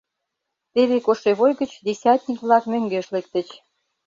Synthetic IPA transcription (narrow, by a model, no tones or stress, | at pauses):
t̪eβekoʃeβojɣə̆t͡ɕd̪esʲat̪̚nʲikβlɑkmøŋɡeʃlekt̪ə̆t͡ɕ